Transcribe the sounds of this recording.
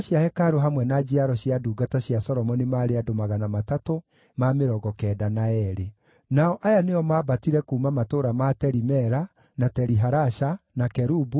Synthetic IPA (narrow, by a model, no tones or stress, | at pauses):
aɕjahɛkaɾoɦamwɛnad͡ʒiaɾɔɕjaduːɡataɕjasɔɾɔmɔnimaːɾeadomaɣanamatato | mameɾɔɡɔkɛːdanaɛɾe | naɔʔajaneɔmaːbatiɾɛkuːmamatoːɾamatɛɾimɛɾa | natɛɾiɦaɾaʃanakɛɾubu